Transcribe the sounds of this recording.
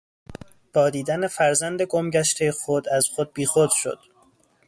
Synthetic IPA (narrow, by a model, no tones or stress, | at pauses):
b̥ɒːd̪iːd̪ænefæɾzænd̪e̞ɡomɟæʃt̪ʰexod̪æz̥xod̪̚biːxod̪̥ʃo̰d̪̥